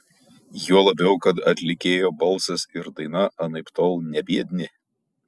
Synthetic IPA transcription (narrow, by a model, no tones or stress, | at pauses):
juɔlˠɐbʲɛʊkɐt̪ɐt̪ʲlʲɪkʲeːjoːbɐlˠˑsɐsɪɾd̪ɐɪnɐʔɐnɐɪpt̪oːlˠnʲɛbʲiɛd̪ʲnʲɪ